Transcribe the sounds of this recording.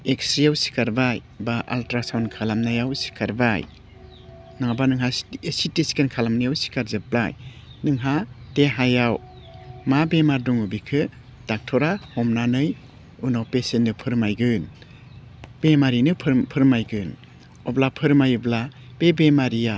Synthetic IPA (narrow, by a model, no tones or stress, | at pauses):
eksɾijawsi̥kaɾbaj | baʔa̰ltɾasawnkʰalamnajawsi̥kʰaɾbaj | naŋabanɯŋɦasitisi̥kenkʰalamnɯjawsi̥kaɾzɯp̚laj | nɯŋɦateɦajaw | mabemaɾduŋubikʰɯ | d̥ak̚tʰɔɾahɔmnanɯj | unawpesenːɯpʰɯɾmajɡɯn | b̥emaɾinɯpʰpʰɯɾmajɡɯn | ɔblapʰɯɾmajubla | b̥ebemaɾija